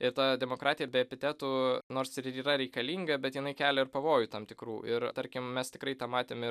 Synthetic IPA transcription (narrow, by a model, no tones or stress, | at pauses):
ɪɾt̪ɑːd̪ʲɛmoːkɾʔɑːt̪ʲɪjɛbʲɛɛpʲɪt̪ʲæːt̪uːnoːɾsɪɾiːrɐɾʲɛɪkɐlʲiːŋɡɐbʲɛt̪jɪnɐɪkʲæːlʲɛɪrpɐʋoːjʊt̪ɑmt̪ʲɪkɾuːʔɪɾt̪ɐɾʲkʲɪmmʲɛst̪ʲɪkɾɐɪt̪ɑːmɑːt̪ʲeːmɪ